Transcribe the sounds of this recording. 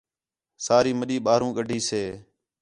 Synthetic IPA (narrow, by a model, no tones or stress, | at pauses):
saːɾiːməɗiːɓaːɾũːɠəɖʱiːseː